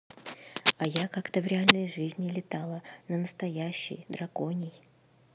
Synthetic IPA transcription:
ɐjakakt̪əvɾʲɪalʲnəjʐɨzʲnʲɪlʲɪt̪alˠənənəst̪ɐjæɕːɪ̰jd̪ɾɐko̞nʲɪj

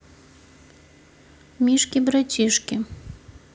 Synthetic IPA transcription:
mʲiʃkʲibɾat͡ɕʲiʃkʲi

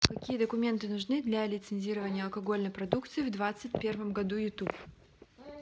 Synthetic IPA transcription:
kɐkʲijəd̪əkʊmʲe̞nt̪ɨnʊʐnɨd̪lʲɐlʲɪt̪sɨnʲzʲiɾəvənʲɪjəɐlˠkɐɡolʲnəjpɾɐd̪ukt̪sɨːvd̪vat̪sɨt̚ʲpʲe̞rvəmɡɐd̪ujʊt̪up

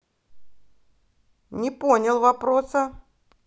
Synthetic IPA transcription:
nʲɪponʲɪlˠvɐpɾosə

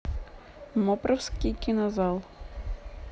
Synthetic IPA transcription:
mɔpɾɐwsʲkʲijkʲɪnɐzɑlˠ

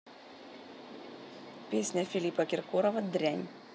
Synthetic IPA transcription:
pʲeːsʲnʲɛfʲɪlʲiːpɐkʲɪɾkoːɾɔʋɐd̪ʲɾʲɛnʲ

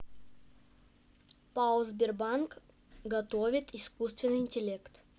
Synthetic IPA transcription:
paʊlˠzbʲɪrbank | ɡɐt̪ovʲɪt̪ɪskust̪vʲɪnːɨjɪnʲtʲɪlʲekt̪

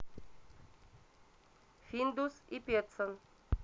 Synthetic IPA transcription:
find̪usipet̪sən

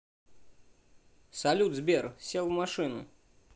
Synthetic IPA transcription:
sɐlʲud̪zbʲersʲelˠvmaʂɨnʊ̰

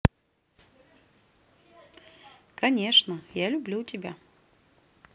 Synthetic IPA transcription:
kɐnʲe̞ʂnəjalʲʊblʲutʲɪbʲa

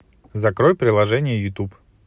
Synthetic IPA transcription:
zɐkɾojpɾʲɪlˠɐʐɛnʲɪjəjʊt̪up

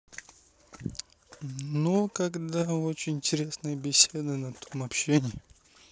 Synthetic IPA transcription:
nukɐɡd̪aot͡ɕɪnʲɪnʲtʲɪɾʲesnəjəbʲɪsʲe̞d̪ɨnɐt̪ʰomɐpɕenʲɪjɪ

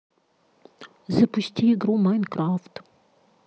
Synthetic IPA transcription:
zɐpʊsʲtʲiɪɡɾumajnkɾaft̪

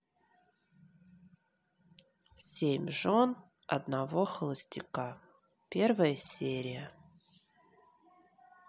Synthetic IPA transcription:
sʲemʲʐon | ɐ̰d̪navoxəlˠəsʲtʲika | pʲervəjəsʲeɾʲɪjə

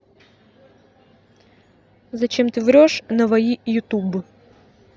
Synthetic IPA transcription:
zɐt͡ʃɪmt̪ɪʋɾʲɔʃnɐʋɐjijʊt̪ubʊ

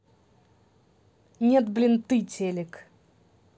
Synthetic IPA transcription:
nʲet̪blʲɪnt̪ɨtʲelʲɪk

